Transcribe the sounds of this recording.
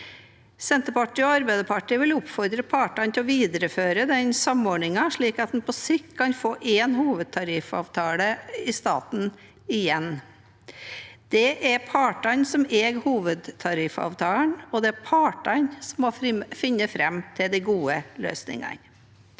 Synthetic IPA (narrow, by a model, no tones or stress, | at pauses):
sɛnt̪əpɑʈːiːɔɑɾbæɪd̪əpʰɑʈiːʋɪlʊpfɔɾd̪ɾəpʰɑːʈɑnt̪ʰɛɔʋiːd̪əɾəføːɾəd̪ɛnsɑmɔɾɳɪŋɑʂɭiːkɑt̪̚d̪ɛn̩pʰɔsɪkʰkʰɑnfoːʔeːnhuːʋəd̪̚t̪ʰɑɾɪfɑ̰ːʋt̪ʰɑːləɪst̪ɑ̰ːt̪n̩ | ɪjɛn | d̪̥ɛʔɛɾpʰɑːʈɑnsɔmeːɡhuːʋəd̪t̪ʰɑɾɪfɑ̰ːʋt̪ʰɑːlnɔd̪ɛæpʰɑːʈɑnsɔmːɔfɪnːəfɾɛmt̪ʰɪld̪æɪɡuːəlø̰ːsnɪ̰ŋɑ̰n